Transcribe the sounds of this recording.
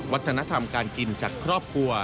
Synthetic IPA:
wa˦˥t̪ʰːa˧na˦˥t̪ʰa˧mkaː˧nki˧nt͡ɕaː˨˩kʰːɾɔː˥˩p̚kʰɾu˧ɐ

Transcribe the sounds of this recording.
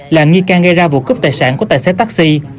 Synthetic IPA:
laː˨˩ŋi˧kaː˧nɣa˧jzaː˧vṵ˧˨kɨ˦˥p̚t̪aː˨˩jsa̰ː˧˥nku˧˩ət̪aː˧˨jsḛ˨˥t̪a˦˥k̚si˧

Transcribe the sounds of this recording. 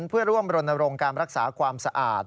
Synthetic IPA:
npʰɯ˥˩ɐɾu˥˩əmɾo˧nːa˧ɾo˧ŋkaː˧nɾa˦˥k̚sa̰ː˩˦kʰwaː˧msa˧ʔa̰ː˨˩t̪̚

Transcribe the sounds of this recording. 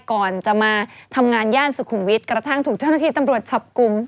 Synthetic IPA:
kɔː˨˩nt͡ɕa˨˩maː˧t̪ʰa˧mŋaː˧njaː˥˩nsu˨˩kʰu˧˩mwi˦˥t̪̚kɾa˧t̪ʰa˥˩ŋt̪ʰuː˨˩k̚t͡ɕa˥˩na˥t̪ʰiː˧˩t̪a˧mɾu˨˩ət̪̚t͡ɕʰa˨˦˩p̚ku˧m

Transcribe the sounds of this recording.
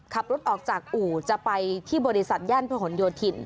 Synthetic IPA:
kʰa˨˩p̚ɾo˦˥t̪̚ʔɔː˨˩k̚t͡ɕaː˨˩k̚ʔuː˨˩t͡ɕa˨˩pa˧jt̪ʰiː˥˩bɔː˧ɾi˧sa˨˩t̪̚jaː˥˩npʰːɦo˩˦njoː˧t̪ʰi˧n

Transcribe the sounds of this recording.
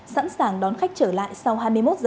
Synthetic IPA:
sa̰ː˧˥nsaː˨˩ŋɗɔ˨˦nxa˦˥jk̟̚t͡ɕəː˧˩la̰ː˧˨jsa˧wɦaː˧jmɨ˧əjmo˦˥t̚zəː˨˩

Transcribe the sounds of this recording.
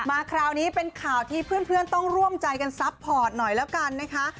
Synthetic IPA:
maː˧kʰɾaː˧wniː˦˥pe˧nkʰaː˨˩wt̪ʰiː˥˩pʰɯː˥˩ənpʰɯ˥˩ənt̪ɔ˥˩ŋɾu˥˩əmt͡ɕa˧jka˧nsa˦˥pʰːɔː˨˩t̪̚nɔ˨˩jlɛː˦˥wka˧nːa˦˥kʰa˦˥

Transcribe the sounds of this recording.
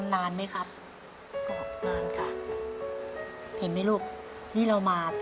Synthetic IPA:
nːaː˧nma˦˥˩kʰa˦˥p̚ | ka˧˩ɔ˨˩t̪ʰnaː˧nkʰa˧˥˩ | hʰe˨˦nma˧˥˩luː˥˩k̚ | t̪ʰiː˥˩ɾa˧wmaː˧

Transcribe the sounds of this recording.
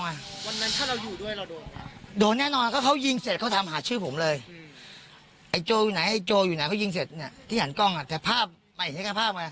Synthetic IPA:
ŋa˧wa˧nːa˦˥nt̪ʰaː˥˩ɾa˧wjuː˨˩du˥˩əjɾa˧wdoː˧n˧˦doː˧nːɛː˥˩nɔː˧n˧kʰaː˥˩kʰa˦˥˩wji˧ŋse˨˩t̪̚kʰa˥˩t̪ʰa˧mɦaː˩˦t͡ɕʰɯː˥˩pʰo˩˦mlɤː˧j | ʔa˨˩jt͡ɕoː˧juː˨˩na˩˦jʔa˨˩jt͡ɕoː˧juː˨˩na˨˦kʰa˥˩wji˧ŋs̬e˨˩t̪̚ni˥˩ɐt̪ʰiː˥˩ɦa˩˦nkɔ˥˩ŋʔa˨˩t̪ɛː˨˩pʰaː˥˩p̚ | maː˧ʔi˨˩na˦˥˩ka˥˩pʰaː˥˩p̚maː˧˨˩

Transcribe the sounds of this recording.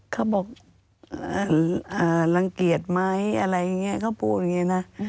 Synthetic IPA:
kʰaː˧˩wbɔː˨˩k̚ | aː˧˩ʔaː˨˩la˧ŋki˨˩ət̪̚ma˦˥jʔa˧ɾa˧jːa˨˧ŋːi˦˥˨kʰaː˧˥˩wpu˨˩t̪̚ŋi˦˧˥na˦˥

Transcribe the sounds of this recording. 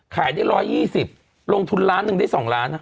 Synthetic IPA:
kʰaː˩˦jdaː˥˩jɾɔː˦˧˥jːiː˥˩si˨˩p̚ | lo˧ŋt̪ʰu˧nɾaː˦˥nːɯ˨˧ŋdaː˥˩jsɔː˩˦ŋɾaː˦˥nʔ

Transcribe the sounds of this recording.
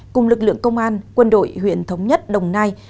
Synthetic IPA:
kʊ˨˩ŋ͡mlɨ˨˩k̚lɨ̰˧˨əŋkə˧wŋ͡mʔaː˧nkwə˧nɗo̰˧˨jhwḭ˧˨ənt̪ʰə˨˦wŋ͡mɲə˦˥t̚ɗə˨˩wŋ͡mnaː˧j

